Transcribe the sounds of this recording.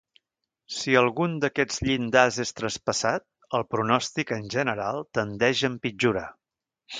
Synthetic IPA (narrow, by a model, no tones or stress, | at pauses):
siəlˠɣund̪əkɛd͡zʎind̪azest̪ɾəspəsat̪̚ | əlˠpɾunɔst̪ikənʲʒənəɾalˠt̪ənd̪ɛʒəmpid͡ʒuɾə̰